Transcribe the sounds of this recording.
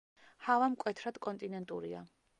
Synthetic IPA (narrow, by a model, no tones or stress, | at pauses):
havamkʼwɛt̪ʰɾad̪̥kʼɔnt̪ʼinɛnt̪ʼuɾḭa̰